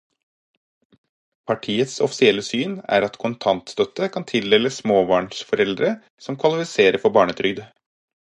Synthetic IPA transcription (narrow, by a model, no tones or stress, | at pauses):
pʰɑʈʰiːət̪sɔ̰fɪ̥sɪɛlːəsyːnæ̰ːɾɑt̪kʰʊnt̪ʰɑnt̪st̪œt̪əkʰɑnt̪ʰɪld̪ɛləssmoːbɑːɳsfɔɾɛld̪ɾə | sɔmkʰʋɑlɪfɪseːɾəɾfɔbɑːɳət̪ʰɾʏɡ̚d̪ə